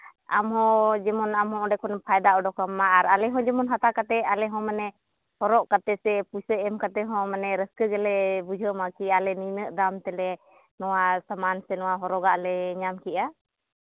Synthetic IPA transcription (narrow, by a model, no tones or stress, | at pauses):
amɦɔ̃d͡ʒɛmɔnamɦɔ̃ɔɖɛkɔnpʰajd̪aʔɔɖɔkamːaːɾalɛɦɔ̃d͡ʒɛmɔnɦat̪akat̪ɛalɛɦɔ̃manɛ | hɔɾɔʔkat̪ɛsɛpujsəʔɛmkat̪ɛɦɔ̃manɛɾəskəɡɛlɛbud͡ʒʱəmakiʔalɛninəʔd̪amt̪ɛlɛ | nɔwasamansɛnɔwaɦɔɾɔɡaʔlɛɲamkiʔa